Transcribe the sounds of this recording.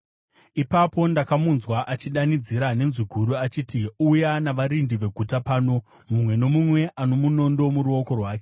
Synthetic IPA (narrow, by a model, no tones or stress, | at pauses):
ipapo̞ndakamunzwaʔat͡ʃiɗanid͡ziɾane̞nziɡʱuɾuat͡ʃiːtiujanaʋaɾindiʋe̞ɡʱutapaːno̞ | mumwe̞no̞mumwe̞ʔano̞muno̞ndo̞muɾuo̞ko̞rwaːke̞